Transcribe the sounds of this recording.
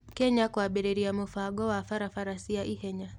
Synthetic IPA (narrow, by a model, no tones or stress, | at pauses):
kɛɲakwaɓɛɾɛɾiamufaɡɔwafaɾafaɾasiaʔihɛɲa